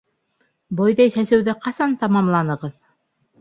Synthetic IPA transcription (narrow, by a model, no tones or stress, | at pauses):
bojðɑjsæsɘ̆wðɘqɑsɑnt̪ɑmɑmlˠɑnɤ̆ʁɤð